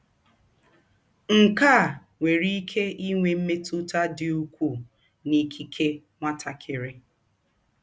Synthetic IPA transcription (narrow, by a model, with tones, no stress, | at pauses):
ŋ̩˨ka˦˨ | ŋʷe˨ɾi˦i˦kʰe˦i˦ŋʷe˨m̩˦me˦tu˦ta˦dɪ˨u˦kʷu˦˨ | ni˦kʰi˦kʰe˦ | ŋʷa˦tʰa˨kʰɪ˨ɾɪ˦